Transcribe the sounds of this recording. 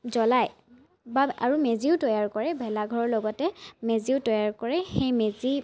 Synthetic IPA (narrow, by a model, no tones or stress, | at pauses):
zɔlaj | baa̰ɹumeziʊtɔjaɹkɔɹɛbʱɛlaɡʱɔɹɔɹlɔɡɔtɛmeziʊtɔjaɹkɔɹɛxejmezi